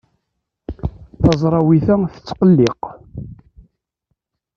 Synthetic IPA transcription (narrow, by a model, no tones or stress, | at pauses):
θɑzˤɾˤɑwiθæθə̥t͡sːqəlːɪq